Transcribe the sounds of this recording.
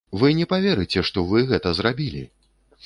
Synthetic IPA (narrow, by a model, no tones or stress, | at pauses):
vɨnʲɛpavʲɛɾɨt͡sʲɛʂt̪ɔvɨɣɛt̪ɐzrabʲilʲḭ